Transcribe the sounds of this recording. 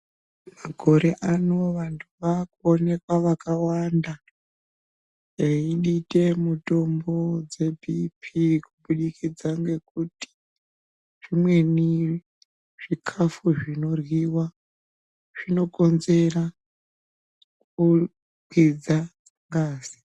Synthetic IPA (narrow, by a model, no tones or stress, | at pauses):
maɡʱo̞ɾe̞ʔanoʋantʰuʋakuone̞kwaʋakawanda | eiɗitʼe̞muto̞mbo̞d͡ze̞bʱipʰikuɓuɗikid͡zaŋɡe̞kuti̥ | ʐ̥imwe̞ni | ʐ̥ikʰafuʐino̞rwiwa | ʐ̥ino̞ko̞nze̞ra | ku | kwid͡za | ŋɡaːzi̥